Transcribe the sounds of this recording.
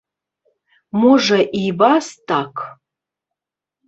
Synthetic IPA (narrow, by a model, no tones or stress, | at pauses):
muʐɐʔibastʰʼakʰ